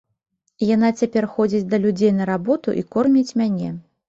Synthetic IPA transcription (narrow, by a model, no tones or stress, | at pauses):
janat͡sʲapʲɛrxɔd͡zʲit͡sʲd̪ɐlʲud͡zʲejn̪ɐɾabɔt̪ṵʔḭkɔrmʲit͡sʲmʲanʲɛ